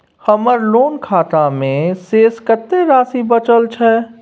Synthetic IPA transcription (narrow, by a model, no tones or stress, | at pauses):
həməɾloːnkʰaːt̪amẽseːskət̪ːeɾaːsibət͡ʃəlt͡ʃʰɛ